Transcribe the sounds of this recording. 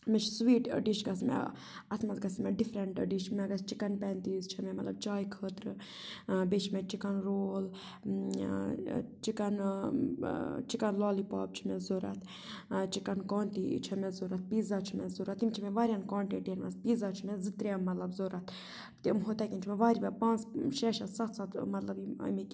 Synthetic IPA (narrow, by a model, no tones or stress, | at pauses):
mɛt͡ʃʰsʋiːʈə̰ɖiʃɡɐsmɛ̰ | ɐt̪ʰmɐzɡɐsmɛɖifɾeɳʈə̰ɖiʃmɛɡɐst͡ʃikɐnpɛːnt̪iːzt͡ʃʰimɛmɐt̪lɐb̚t͡ʃaːjkʰəːt̪ɾɨ | bet͡ʃʰmɛt͡ʃikɐnɾoːl | t͡ʃikɐn | t͡ʃikɐnlaːlipa̰ːb̚t͡ʃʰi̥mɛzoːɾa̰t̪ʰ | t͡ʃikɐnkaːnt̪ḭt͡ʃʰɐmɛzoɾat̪̚piːzat͡ʃʰimɛzoɾat̪imt͡ʃʰimɛʋaːɾʲjankãːɳʈeʈeːnmɐ̰sbiːzat͡ʃʰimɛzɨt̪ɾamɐt̪lɐbzoːɾɐt̪ʰ | t̪imɦot̪akʲint͡ʃʰimɛʋaːɾʲimɛpãːnt͡sʃɛːʃɐsɐt̪ʰsat̪ʰmɐt̪lɐbiɐ̰mik